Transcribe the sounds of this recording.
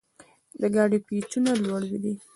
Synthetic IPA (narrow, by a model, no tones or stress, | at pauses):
d̪əɡɑɖipit͡ʃunalwaɽwid̪i